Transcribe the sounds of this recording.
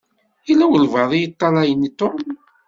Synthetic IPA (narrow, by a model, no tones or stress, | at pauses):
ilːæwəlvɑðˤijət̪ˤːɑlɑjənit̪ːom